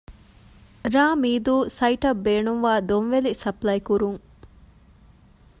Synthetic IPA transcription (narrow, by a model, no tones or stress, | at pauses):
ɾaːmiːd̪uːsɐiʈɐbːeːnuŋʋaːd̪onʋelisɐplɐjkuɾuŋ